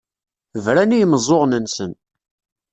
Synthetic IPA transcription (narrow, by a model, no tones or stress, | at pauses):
əvɾænijəmzˤoʁnənsən